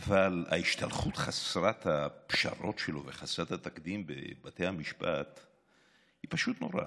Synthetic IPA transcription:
avala̰iʃt̪alχut̪χasɾat̪hapʃa̰ɾo̞tʃeloveχasɾat̪hat̪akd̪imbḛbatejhamiʃpat̪ | hipaʃut̪no̞ɾa̰

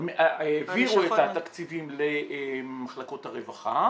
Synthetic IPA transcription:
meʔaeviʁuetat̪akt͡sivimlemaχlako̞t̪haʁevaχa

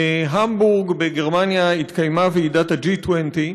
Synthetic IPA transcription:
eɦambuʁɡbeɡe̞ʁmanjait̪kajmaveidatad͡ʒitwent̪i

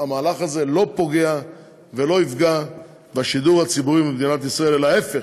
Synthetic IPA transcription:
amaːlaχaze̞lo̞po̞ɡe̞a | ve̞lo̞ifɡa | baʃid̪uʁhat͡sibuʁimibd̪inat̪isʁae̞lelae̞fe

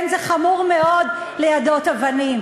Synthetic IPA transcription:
nzeχamuʁmeo̞d̪ | lejadotavanim

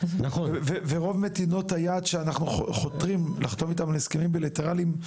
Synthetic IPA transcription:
naχonveveʁo̞vmet̪ino̞t̪hajaːd̪ʃeanaχnuχχot̪ʁimlaχt̪o̞vit̪amleeskemimbelit̪eʁalim

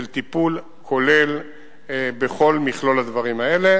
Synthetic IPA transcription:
elt̪ipul | kʰo̞le̞l | beχo̞lmiχlolad̪vaʁimae̞le̞

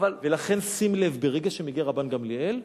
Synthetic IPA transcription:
valvelaχe̞nsimlevbeʁeɡaʃemiɡiʁabanɡamliel

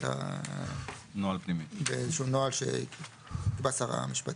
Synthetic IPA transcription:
ta̰ | noalpnimibeezeʃunoalʃḛ | kbasaʁa̰miʃpat̪

